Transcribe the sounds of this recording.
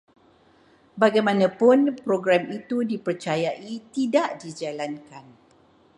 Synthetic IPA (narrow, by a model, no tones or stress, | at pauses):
baɡajmãnãpʊnpɾoɡɾamit̪udipərt͡ʃajaʔit̪idaʔdid͡ʒalankan